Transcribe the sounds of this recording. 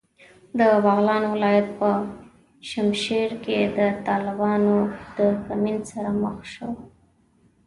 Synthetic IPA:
d̪əbɑɣlɑnowɪlɑjat̪̚pə | ʃamʃeɾked̪ət̪ɑlɪbɑnod̪̥əkaminsaɾaməxʃəw

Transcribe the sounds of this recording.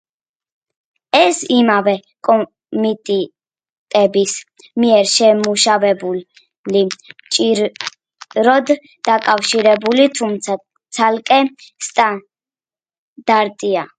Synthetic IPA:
ɛsimavɛkʼɔ | mit̪ʼɛ | t̪ʼɛbis | miɛɾʃɛmuʃavɛbu | lit͡ʃʼiɾ | ɾɔd̪ | d̪akʼafʃiɾɛbulit̪ʰumt̪sʰa | t̪sʰalkʼɛst̪ʼa | d̪̥aɾt̪ʼia

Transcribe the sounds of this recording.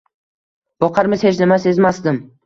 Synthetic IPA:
b̥ɒqʰɑɾmɪz̥het͡ʃnɪmase̞zmasd̪ɪm

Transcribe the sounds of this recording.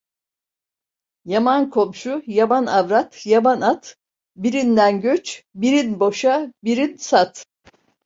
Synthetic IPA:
jamankʰo̞mʃujamanavɾat̪jabanat̪ | biɾind̪ænɟøt͡ʃbiɾinbo̞ʃabiɾinsat̪

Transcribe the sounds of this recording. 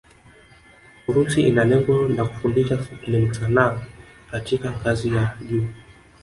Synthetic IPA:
kuɾusiinalɛŋɡɔnaku̥fundiʃalɛm̩sana | katikaŋɡazijaʄuː

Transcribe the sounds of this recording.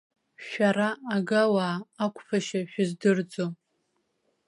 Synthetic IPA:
ʃʷᶣaɾaːɡawaːkʷʰʼfʰaʃaʃᶣʊzdɨrd͡zo

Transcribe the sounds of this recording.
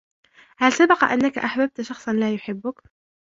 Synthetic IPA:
halsabɑqɑʔanːakaʔaħbab̚t̪ʃɑxsˤɑnlaːjʊħɪbːʊk

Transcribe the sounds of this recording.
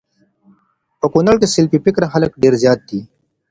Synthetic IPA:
pəkunɐɭkesɪlpipɪkɾaxɐləkɖeːɾzjaːt̪̚d̪iː

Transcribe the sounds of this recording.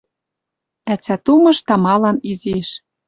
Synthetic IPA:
æt͡sæt̪umɤ̆ʃt̪ɑmɑlɑniziʃ

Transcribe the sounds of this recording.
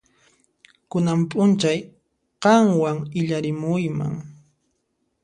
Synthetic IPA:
kʊnampʼʊnt͡ʃaj | qɑŋwaŋɪʎaɾɪmʊjma̰ŋ

